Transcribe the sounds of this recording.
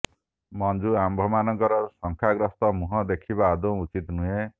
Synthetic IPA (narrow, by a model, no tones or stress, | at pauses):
mɔnd͡ʒuambʱɔmanɔŋkɔɾɔsɔŋkʰaɡɾɔst̪ɔmuɦɔd̪ekʰibaːd̪uw̃ut͡ʃit̪nuɦe